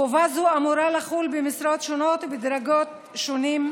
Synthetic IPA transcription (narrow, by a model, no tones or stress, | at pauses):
ovazuamuɾalaχulbemisɾot̪ʃonot̪bed̪ɾaɡot̪ | ʃonim